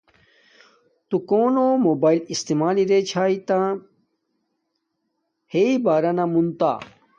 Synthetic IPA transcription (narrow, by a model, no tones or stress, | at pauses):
t̪ukoːnomoːbaːilist̪imaːliɾet͡ɕʰaːit̪ã | heibaːɾɐnamunt̪a̰ː